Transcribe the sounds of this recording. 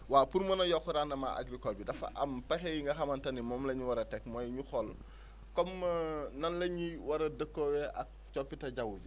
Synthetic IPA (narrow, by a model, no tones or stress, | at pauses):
waːpuɾmɐnɐjɔkːuɾaːnɐma̰ʔa̰ɡɾikolbidɐfa̰ʔɐmpɐxejiŋɡɐxɐmɐntɐnimɔːmlɐɲiwɐɾɐtɛk̚mojɲuxɔl | kɔmnɐnlɐɲiwɐɾɐdəkːowɛʔa̰k̚t͡ʃopːitɐɟɐwud͡ʒ